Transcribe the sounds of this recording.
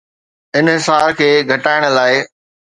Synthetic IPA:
ɪnɦɪsaːɾkʰeːɡʱɐʈaːɪɽ̃̆laːɪ

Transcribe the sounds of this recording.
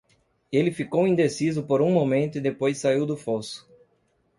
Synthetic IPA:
elɪfikowĩnd̪esizʊpoɾũmomẽnt̪ʊɪd̪epojsːaiwd̪ʊfɔsʊ̥

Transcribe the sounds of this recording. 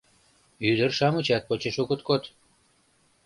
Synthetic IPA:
yd̪ərʃɑmət͡ɕɑt̪̚pot͡ɕeʃukə̆t̪kot̪

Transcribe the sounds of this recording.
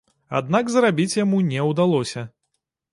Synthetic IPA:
a̰d̪̚naɡzrabʲit͡sʲjamunʲɛwd̪alˠɔsʲɐ

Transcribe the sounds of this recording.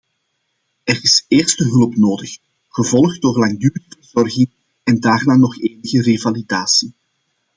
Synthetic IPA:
ɛrɪseːrstəɦɵlpnoːdəx | ɣəvɔlˠx̚doːrlaŋdyːləvərzɔrɣɪŋ | ɛndaːrnaːnɔxeːnəɣərevalidaːsi

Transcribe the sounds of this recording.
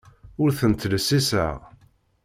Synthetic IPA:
ʊɾθənt̪ːlsisə̰ʁ

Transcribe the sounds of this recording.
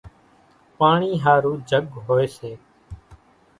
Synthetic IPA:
paːɳiːɦaːɾuːd͡ʒʱəɠɦoːeːseː

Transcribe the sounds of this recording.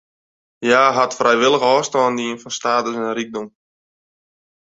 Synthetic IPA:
jaːɦatfrɛjʋɪlˠəɣɔːstɔːndəinfɔnstaːtəsɪnrik̚dɔm

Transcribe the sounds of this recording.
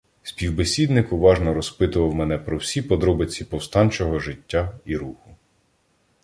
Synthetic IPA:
sʲpʲiwbesʲid̪nɪkʊʋɑʒnɔɾɔspɪt̪ʊʋɐwmɛnɛpɾɔwsʲipɔd̪ɾɔbɪt͡sʲːipɔwst̪ɑnʲt͡ʃɔɦɔʒɪtʲːaiɾuxʊ

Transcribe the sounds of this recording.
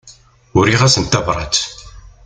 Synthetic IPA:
ʊɾiʁæsənt̪ævɾˤɑ̰t͡s̪

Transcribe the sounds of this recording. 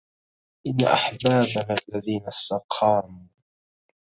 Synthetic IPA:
ʔɪnːa̰ʔa̰ħbaːbanlːaðiːnast̪ɑqʰɑːmuː

